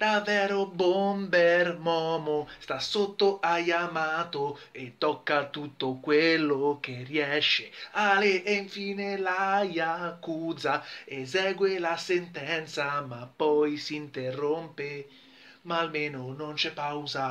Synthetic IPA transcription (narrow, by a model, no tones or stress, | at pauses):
d̪̥avːɛːɾobombermɔmost̪asot̪ːoʔajamaːt̪oet̪ːɔkːat̪ut̪ːokwelːok̟eriɛʃːealeːɱfiːnelajakːuzaes̬ɛːɡwelasent̪ɛnt̪samapːɔjsint̪erːompe | maːlmeːnonont͡ʃɛpːawza